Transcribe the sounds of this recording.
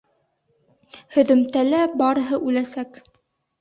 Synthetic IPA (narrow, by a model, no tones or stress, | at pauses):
hɵ̆ðɵ̆mt̪ælæbɑɾɤ̆ɦɤʔʉlæsæk